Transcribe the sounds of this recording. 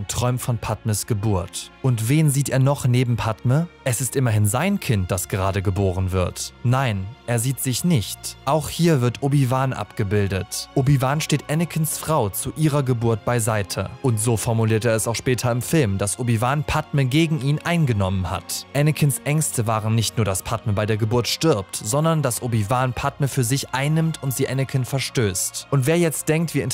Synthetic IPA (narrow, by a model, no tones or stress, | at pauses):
ntʁ̥ɔʏmfɔnpʰatməsɡ̥əbuːɐtʔʊntv̥eːnziːteːɐnɔχneːbm̩pʰatməʔɛsɪstʔɪmɐɦɪnzaɪnkʰɪnt̚d̥asɡ̥əʁaːdəɡəboːʁənvɪɐtnaɪnʔeːɐziːtz̥ɪçnɪçtʔaʊxhiːɐvɪɐtʔoːbivaːnʔa̰pɡ̥əbɪldətʔoːbivaːnʃteːtʔɛnɪkʰənsfʁ̥aʊt͡suʔiːʁɐɡəbuːɐt̚b̥aɪzaɪtʰə̰ʔʊntz̥oːfɔɐmuliːɐteːɐɛsaʊxʃpɛːtʰɐɪmfɪlmd̥asʔobivaːnpʰatməɡeːɡŋ̩ʔiːnʔaɪnɡənɔmənha̰tʔɛnəkʰənsʔɛŋstʰəvaːʁənːɪçtnuːɐdaspʰatməbaɪdeːɐɡəbʊɐtʃtɪɐptz̥ɔndɐndasʔoːbivaːnpʰatməfyːɐzɪçʔaɪnːɪmtʰʊntz̥iːʔɛnɪkʰənfɛɐʃtøːstʔʊntv̥eːɐjɛt͡st̚d̥ɛŋk̚tv̥iːɪn